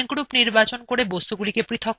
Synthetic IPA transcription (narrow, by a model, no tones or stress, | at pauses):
nɡɽupniɾbat͡ɕonkoɽebost̪uɡulikepɾit̪ʰo